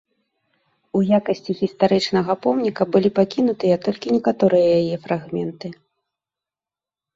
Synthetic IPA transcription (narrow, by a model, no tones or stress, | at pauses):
ujakɐsʲt͡sʲiɣʲist̪aɾɛt͡ʂnɐɣɐpɔmnʲikɐbɨlʲipakʲinut̪ɨjɐt̪ɔlʲkʲinʲɛkat̪ɔɾɨjɐjajɛfɾaɣmʲɛnt̪ɨ